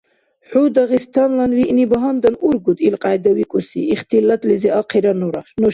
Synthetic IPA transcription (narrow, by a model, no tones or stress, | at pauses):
ħud̪aʁist̪ʰanlanviʔnibaɦand̪anuɾɡud̪ilqʼajd̪awikʼusḭːχt̪ʰilat̪ʼlizɛʔaqʰiɾanuɾaʃnu